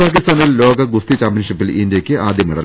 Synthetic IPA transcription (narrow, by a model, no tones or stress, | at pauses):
paːk̬ːist̪aːnillo̞ːɡɐɡust̪it͡ɕaːmpjɐnʂipːilindjɐkʲːɨʔaːd̪jɐmiɽɐl